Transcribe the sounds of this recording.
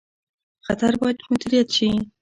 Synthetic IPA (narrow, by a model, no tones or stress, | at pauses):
xat̪aɾbɑjad̪mʊd̪iɾijat̪ʃi